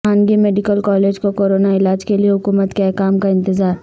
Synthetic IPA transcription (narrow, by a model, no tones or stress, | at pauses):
aːnɡimeːɖɪkəlkɔːleːd͡ʒkokoːɾoːnaɪlaːd͡ʒkelieɦʊkuːmət̪keɛkaːmkaɪ̃nt̪ɪzaːɾ